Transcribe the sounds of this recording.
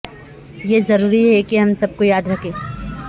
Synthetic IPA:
jezɐɾuːɾiɦɛkiɦɐmsɐb̚kojaːd̪ɾɐkʰeː

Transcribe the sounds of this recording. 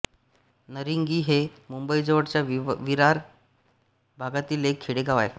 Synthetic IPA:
nəɾiŋɡiːɦemumbəjd͡zəʋəɽt͡ɕjaʋiɾaɾ | bʱaɡat̪iːlekʰːiɽeɡaʋa̰j

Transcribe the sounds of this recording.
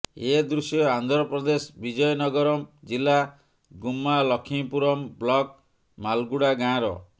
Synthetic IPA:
ed̪ɾusjɔand̪ʱɾɔpɾɔd̪esbid͡ʒɔjɔnɔɡɔɾɔmd͡ʒila | ɡumːalɔkʰĩpuɾɔmblɔk | malɡuɽaɡãɾɔ̰

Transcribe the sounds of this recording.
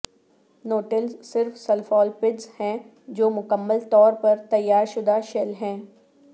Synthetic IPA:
noːʈɪlzsɪɾfsɐlfɔːlpɪɖzhɛ̃ː | d͡ʒoːmʊkəmːəlt̪ɔːɾpɐɾt̪ɐjːaːɾʃʊd̪aʃɛlɦɛ̃ː

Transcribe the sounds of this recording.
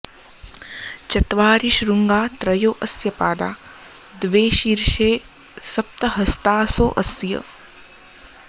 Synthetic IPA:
t͡ʃɐt̪ʋaːɾiʃɾuŋɡaːt̪ɾɐjoːʔɐsjɐpaːd̪a̰ː | d̪ʋeːʃiɾʃeː | sɐp̚t̪ɐɦɐst̪aːso̰ːʔɐsjɐ̰

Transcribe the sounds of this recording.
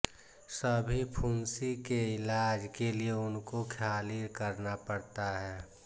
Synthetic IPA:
səbʱipʰuːnsikeɪlaːd͡ʒkelieʊnkokʰaːliɾkəɾnapəɽt̪aɦɛː

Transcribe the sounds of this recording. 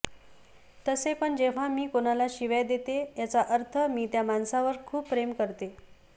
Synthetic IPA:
t̪əsepəɳd͡ʑeʋ̤amiːkonalaɕiʋəjd̪et̪ejat͡saʔəɾt̪ʰəmiːt̪jamansaʋəɾkʰuːpːɾemkəɾt̪e

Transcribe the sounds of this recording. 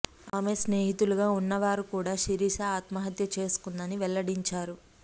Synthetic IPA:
aːmesne̞ːɦit̪uluɡaːunːɐʋaːɾukuːɽaːʃiɾiːʃɐaːt̪mɐɦɐt̪jɐt͡ʃe̞ːsu̥kund̪ɐniʋɛlːɐɽiɲt͡ʃaːɾu

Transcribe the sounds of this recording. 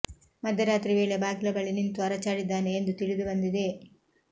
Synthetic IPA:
mɐd̪ʱjɐɾaːt̪ɾiʋe̞ːɭe̞baːɡilɐbɐɭinint̪uɐɾɐt͡ʃaːɽid̪ːaːne̞ːnd̪ut̪iɭid̪ubɐnd̪id̪e̞

